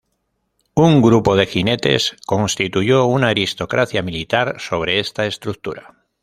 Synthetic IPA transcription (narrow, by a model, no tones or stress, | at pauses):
uŋɡɾupo̞ðe̞xine̞t̪e̞̰sko̞nst̪it̪uʝo̞unaːɾist̪o̞kɾʔaθjamilit̪aɾso̞β̞ɾe̞est̪ae̞st̪ɾuk̚t̪uɾa